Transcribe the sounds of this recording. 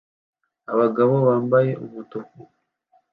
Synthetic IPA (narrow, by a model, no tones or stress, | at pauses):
aβaɡaβo̞βaːmbaje̞ʔuβutoku